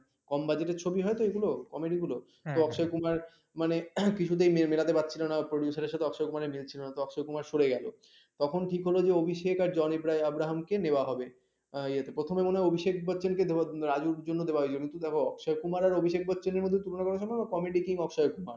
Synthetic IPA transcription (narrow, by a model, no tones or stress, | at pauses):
kɔmbad͡ʑeʈeɾt͡ɕʰobiɦɔet̪oeɡulokɔmeɖiɡulo | t̪oɔkʃɔjekumaɾ | manekit͡ɕʰut̪̬ejmemelat̪epat̪̚ːt͡ɕʰilonapɾoɖjusaɾeɾʃat̪ʰeɔkʃɔekumaɾemilt͡ɕʰilonat̪oɔkʃɔjkumaɾʃoɾeɡɛlo̰ | t̪ɔkʰonʈʰikɦolod͡ʑeobʱiʃekaɾd͡ʑɔnibɾajabɾaɦamkenewaɦɔbe | ejat̪ʰepɾot̪ʰomemoneɦɔeobʱiʃekbɔtːt͡ɕenked̪eaɾad͡ʑuɾd͡ʑonːod̪ebaɦojt͡ɕʰilokĩnt̪ud̪ɛkʰoɔkʃɔekumaɾaɾobʱiʃek̚bɔtːɕeneɾmod̪ʱːet̪ulonakɔɾeʃ̬ʰɔmakɔmeɖikiŋɔkʃɔjekumaɾ